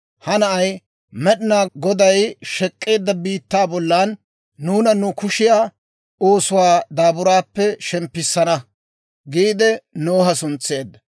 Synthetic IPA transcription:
hɐnɐʔɐj | mɛɗɪnaːɡɔd̪ɐjʃɛkʼːe̞ːd̪ːɐbiːt̪ːaːbɔlːanː | uːnɐnʊkʊʃɪjaː | o̞ːsʊwaːd̪aːbʊɾaːpːɛʃɛmpːɪsːɐnɐ | ɡiːd̪ɛnoːɦɐsʊnt͡sːe̞ːd̪ːɐ

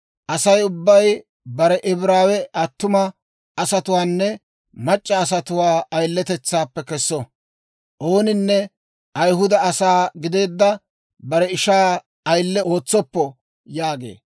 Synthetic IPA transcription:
ʔɐsɐjʊbːɐj | bɐɾɛʔɪbɾaːwɛʔɐt̪ːʊmɐ | ɐsɐt̪ʊwaːnːɛ | mɐt͡ʃʼːɐːsɐt̪ʊwaːɐjlːɛt̪ɛt͡sːaːpːɛkɛsːɔ | ʔo̞ːnɪnːɛ | ʔɐjɦʊd̪ɐɐsaːɡɪd̪e̞ːd̪ːɐ | bɐɾɛɪʃaː | ɐjlːɛo̞ːt͡sːɔpːɔ | jaːɡḛː

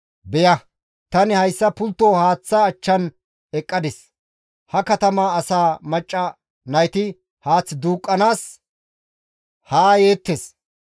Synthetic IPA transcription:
bɛjɐ | t̪ɐnɪhɐjsːɐpʊlt̪ːoːhaːt͡sːɐːt͡ʃːɐn | ɛkʼːɐd̪ɛs | hɐkɐt̪ɐmaːɐsaːmɐt͡ʃʼːɐ | nɐjt̪ɪ | haːt͡sːd̪uːkʼːɐnaːs | haːje̞ːt̪ːes

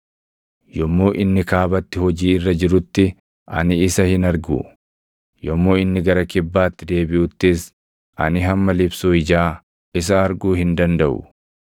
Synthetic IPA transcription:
jɔmːo̞ːʔɪnːɪkaːbɐt̪ːɪhɔd͡ʒiːɪrːɐd͡ʒɪɾʊt̪ːɪ | ʔɐ̰nɪːsɐhɪnɐɾɡṵː | jɔmːoːɪnːɪɡɐɾɐkɪbːaːt̪ːɪd̪e̞ːbɪʔʊt̪ːɪs | ʔɐ̰nɪɦɐmːɐlɪbsuːɪd͡ʒaː | ɪs̬ɐːɾɡuːhɪnd̪ɐnd̪ɐʔʊ̰

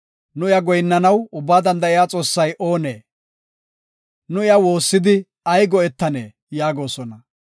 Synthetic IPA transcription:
nʊɪjɐɡɔjnːɐnɐwʊbːaːd̪ɐnd̪ɐɪjaːt͡sʼo̞ːsːɐjʔo̞ːnḛː | nʊɪjawo̞ːsːɪd̪ɪ | ɐjɡɔɛt̪ːɐnḛː | jaːɡo̞ːsɔnɐ

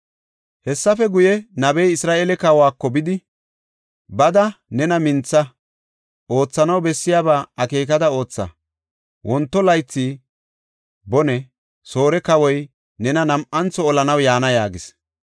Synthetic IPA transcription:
hɛsːɐfɛɡʊjɛnɐbɛjɪsɾaːʔeːlɛkɐwaːkːɔbɪd̪ɪ | bɐd̪ɐnɛnɐmɪnt͡sːɐ | o̞ːt͡sːɐnɐwbɛsːɪjaːbaːɐke̞ːk̬ɐd̪ɐo̞ːt͡sːɐ̰ | wʔɔnt̪ːɔlɐjt͡sːi | bɔnɛ | so̞ːɾɛkɐwɔj | nɛnɐnɐmʔɐnt͡sːɔːlɐnɐwjaːnɐjaːɡɪs

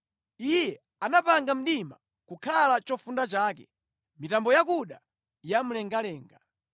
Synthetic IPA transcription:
ijɛ | anapaŋɡam̩ɗima̰ | kukʰalat͡ʃɔfundat͡ʃaːkɛ̰ | mitambɔjakuɗa | jam̩lɛŋɡalɛːŋɡa

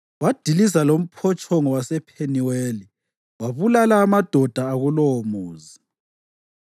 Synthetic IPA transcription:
wad̥ʱilizalom̩pʰɔt͡ʃʼɔŋɔwasɛpʰeniweːli | waβulalaːmad̥ʱɔd̥ʱaːɣulɔmuːzi

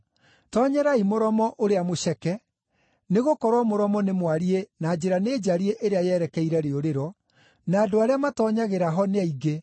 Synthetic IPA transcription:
tɔɲɛɾaimoɾɔmɔʔoɾeamoɕɛkɛ | neɣokɔɾwamoɾɔmɔnemwaɾienaːd͡ʑeɾaneːd͡ʒaɾieʔeɾeajɛɾɛkɛiɾɛɾeoɾeɾɔ | naːdoaɾeamatɔːɲaɣeɾaɦɔneaiɡe

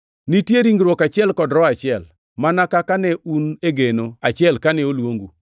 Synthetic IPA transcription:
nitjeɾiŋɡɾwɔkat͡ʃɪɛlkɔdɾɔat͡ʃɪɛl | manakakanɛuneɡenoat͡ʃɪɛlkanɛolwoŋɡu

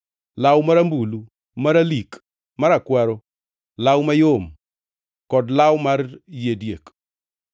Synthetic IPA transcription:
lawmaɾambulu | maɾalik | maɾakwaɾo | lawmajom | kɔdlawmarjedjek

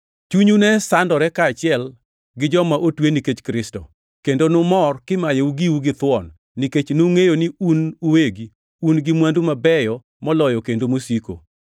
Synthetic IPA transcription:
t͡ʃuɲunɛsandɔɾɛkaːt͡ʃɪɛl | ɡɪd͡ʒɔmaʔotweniket͡ʃkɾɪstɔ̰ | kendonʊmɔrkɪmajeuɡiwuɡɪt̪wɔnː | iket͡ʃnuŋejonɪunuweɡi | unɡɪmwandumabɛjɔ | mɔlɔjɔkendomosiko̰

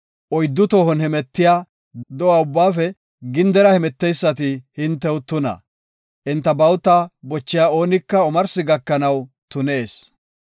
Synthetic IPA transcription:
ʔɔjd̪ːʊt̪oːhɔnhɛmɛt̪ːɪjaː | d̪ɔwaːʊbːaːfɛ | ɡɪnd̪ɛɾɐhɛmɛt̪ːɛjsːɐt̪̬ɪhɪnt̪ːɛwt̪ʊnɐ̰ | ʔɪnt̪ːɐbɐwt̪abɔt͡ʃːɪjaːo̞ːnɪkːɐɔmɐɾsɪɡɐkːɐnɐw | t̪ʊneːs

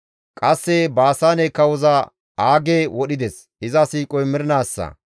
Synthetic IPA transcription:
kʼɐsːɛbaːsaːnekːɐwɔzɐ | aːɡeːwɔɗɪd̪ɛs | ɪzɐsiːkʼɔjmɪɾɪnaːsːɐ̰

